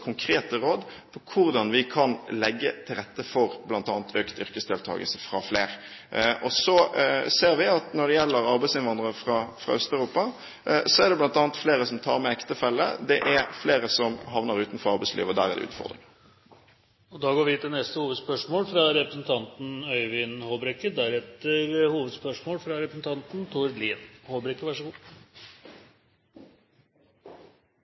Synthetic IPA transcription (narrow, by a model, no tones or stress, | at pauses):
kʰʊŋkʰɾeːt̪əɾoːd̪pʰɔkʰʊɾd̪ɑnʋɪkʰɑnlɛɡːət̪ʰɪlɾɛt̪ːəfɔɾblɑnt̪ɑːnt̪ʰøːkt̪ʏɾkəsd̪ɛːlt̪ʰɑ̰ːɡəlsəfɾɑfleːɾ | ʔɔsɔseːɾʋɪɑt̪nɔɖ̪ɛjɛlːəɾɑɾbæɪsɪnʋɑnd̪ʁəfɾɑfɾɑ̰œst̪æʉɾuːpɑ | sɔæʁd̪ɛblɑnt̪ɑːnt̪fleːɾəsɔmt̪ʰɑ̰ːɾmɛɛkt̪əfɛlːə̰d̪ɛʔæɾfleːɾəsɔmɦɑʋnəɾʉːt̪n̩fɔɾʁɑɾʁbɛɪslʔḭʋɔd̪æːʁɛʁd̪ɛ̰ʉ̰ːt̪fɔ̰ʁd̪ʁɪ̰ŋ | ɔd̪ɑːɡoːɾʋɪt̪ʰɪlnɛst̪əhuːʋəd̪spœʂmoːlfɾɑɾɛpɾəsn̩t̪ʰɑnt̪n̩œʏʋɪnhoːbɾɛkːəd̪æɾɛt̪əɾhuːʋəd̪spœʂmoːlfɾɑɾɛpɾəsn̩t̪ʰɑnt̪n̩t̪ʰʊɾliːnhoːbɾɛkːəʋæʂɔɡuː